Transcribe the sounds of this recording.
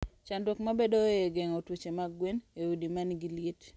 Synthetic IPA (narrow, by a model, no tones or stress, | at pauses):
t͡ʃandwokmabedoeɡeŋɔtwut͡ʃemaɡwenewudimanɡiljet